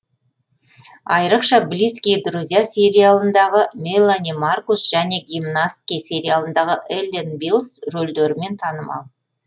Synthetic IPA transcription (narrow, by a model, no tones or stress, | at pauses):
ɑjɾəqʃɑblijskʲijd̪ruzʲijasʲe̞ɾʲijalˠənd̪ɑʁəmʲejlˠːanimarkusʒ̥æne̞ɡʲimnast̪kʲijsʲe̞ɾʲijalˠənd̪ɑʁəʔelʲd̪enbilˠsɾold̪eɾɪme̞nt̪ʰɑnəmɑ̰lˠ